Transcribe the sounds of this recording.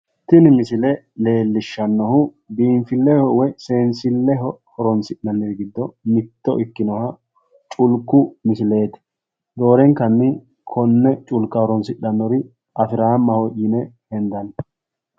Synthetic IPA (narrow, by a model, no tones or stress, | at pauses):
t̪ːɪnɪmɪsɪlɛ | le̞ːlːɪʃːɐnːɔhʊ | biːɱfɪlːɛhɔwɛseːnsɪlːɛɦɔhɔɾɔnsɪɗːɐnːɛɡɪd̪ːɔmɪt̪ːɔʔɪkːɪnɔhɐ | t͡ʃʼʊlkːʊmɪsɪle̞ːt̪ɪ̥ | d̪o̞ːɾɛŋkːɐnːɪ | kʰɔnːɛt͡ʃʼʊlkːɐhɔɾɔnsɪɗːɐnːɔɾɪ | ʔɐfɪɾaːmːɐhɔʔɪnɛhɛnd̪ɐn